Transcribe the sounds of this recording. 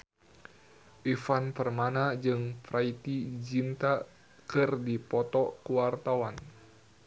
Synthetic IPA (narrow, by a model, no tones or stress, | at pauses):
ʔifanpərmanad͡ʒɨŋfɾait̪id͡ʒint̪a | kɨrdipɔt̪ɔkuwart̪awan